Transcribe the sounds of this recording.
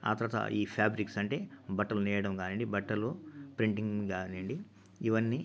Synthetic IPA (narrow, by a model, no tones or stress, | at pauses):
a̰ːt̪ɐɾɐt̪ɐ̰iːpʰjaːbɾiksɐɳʈe̞ːbɐʈːɐlunɛːjɐɽɐmɡaːnɐɳɖibɐʈːɐlupɾiɳʈiŋɡɡaːnɐɳɖi | iʋɐnːi